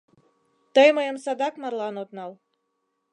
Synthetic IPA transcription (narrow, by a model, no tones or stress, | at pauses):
t̪əjməjə̆msɑd̪ɑkmɑrlˠɑnot̪nɑlˠ